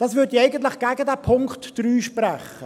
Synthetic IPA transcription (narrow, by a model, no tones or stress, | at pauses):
d̥ɑːsvʏɾdiɛɪɡənt̪̬lɪχɡ̥æɡədæːpʰʊŋktd̥ryːʃprɛχːə